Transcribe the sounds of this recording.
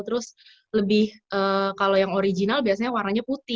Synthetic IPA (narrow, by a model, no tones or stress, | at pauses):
t̪əɾʊs | ləbɪhʔəːkalojaŋoɾid͡ʒinalbiasaɲawaɾaɲaput̪ɪ